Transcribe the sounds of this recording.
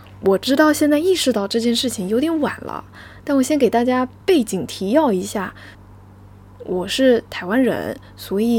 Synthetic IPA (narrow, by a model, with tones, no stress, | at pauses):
wɔ˨˩ʈ͡ʂɻ̩˥t̪ɑ˥˧ʊɕjɛ˥˧nt͡sa˥˧ɪi˥˩ʂɻ̩˥˧t̪ɑ˥˧ʊʈ͡ʂɤ˥˧t͡ɕjɛ˥˧nʂɻ̩˥˩t͡ɕʰi˨˩ŋjo˧˥ʊt̪jɛ˧˥nwa̰˨˩nlə̰˦ | t̪a˥˩nwɔ˨˩ɕjɛ˥nke˨˩ɪt̪a˥˩t͡ɕja˥pe˥˩ɪt͡ɕi˨˩ŋt̪ʰi˧˥jɑ˥˩ʊi˧˥ɕja˥˩ | wɔ˨˩ʂɻ̩˥˩t̪ʰa˧˥ɪwa˥nɻə̰˧˥n | swɔ˧˥i˨˩